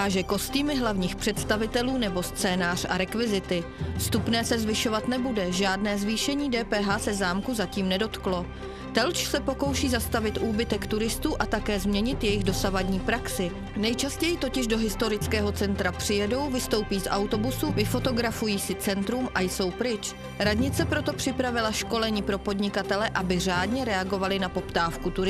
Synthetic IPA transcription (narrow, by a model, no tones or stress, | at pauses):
aʒɛko̞st̪iːmɪɦlavɲiːxpr̥ɛt̪st̪avɪt̪ɛluːnɛbo̞st͡sɛːnaːr̝̥a̰ɾɛkvɪzɪt̪ɪfst̪upnɛːsɛzvɪʃo̞vat̪nɛbudɛʒaːdnɛːzviːʃɛɲiːdɛːpɛːɦaːsɛzaːmkuzaciːmnɛdo̞t̪klo̞ | t̪ɛlt͡ʃsɛpo̞ko̞wʃiːzast̪avɪt̪ʔuːbɪt̪ɛkt̪uɾɪst̪uːʔat̪akɛːzmɲɛɲɪt̪jɛjɪɣdo̞savadɲiːpɾaksɪ | nɛjt͡ʃascɛjɪt̪o̞cɪʒdoɦɪst̪o̞ɾɪt͡skɛːɦo̞t͡sɛnt̪ɾapr̥ɪjɛdo̞wvɪst̪o̞wpiːzʔawt̪o̞busuvɪfo̞t̪o̞ɡɾafujiːsɪt͡sɛnt̪ɾumʔajso̞wpɾɪt͡ʃ | ɾadɲɪt͡sɛpɾo̞t̪o̞pr̝̥ɪpɾavɪlaʃko̞lɛɲiːpɾo̞po̞dɲɪkat̪ɛlɛʔabɪr̝aːdɲɛɾɛaɡo̞valɪnapo̞pt̪aːfkut̪uɾɪ